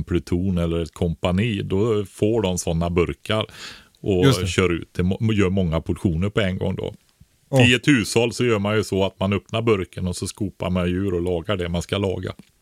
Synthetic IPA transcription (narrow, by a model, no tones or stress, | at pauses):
npʰlɵt̪ʰuːnɛlːəɾɛt̪kʰɔmpaniːd̪ɔfoːɖɔmsɔnːabɵɾkaɾ | ʔɔɕœːɾaʉ̟̰ːt̪ːʰɪlmjœːɾmɔŋːapʰʊʈɧuːnəɾpʰɔɛŋɡɔ̰ŋːd̪ɔ̰ | iːət̪ʰʉ̟ːsɑlsɔjœːɾmanjɵsɔat̪manɵpnaɾbɵɾkənɔsɔskuːpa̰ɾmanjʉ̟ːɾɔlɑːɡaɖɛmanskalɑ̰ːɡa̰